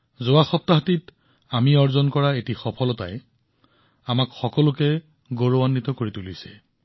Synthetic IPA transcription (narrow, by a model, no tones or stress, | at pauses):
zowaxɔp̚taɦatit | amiɔɹzɔnkɔɹaetixɔpʰɔlɔta̰j | amakxɔkɔlʊkɛ | ɡoɹoanːit̪ɔkoɹitulisɛ̥̰